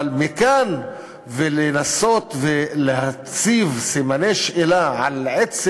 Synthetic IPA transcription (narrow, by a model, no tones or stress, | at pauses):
lmikan | velenasot̪veleha | t͡sivsimaneʃʔelaʕalʕet͡s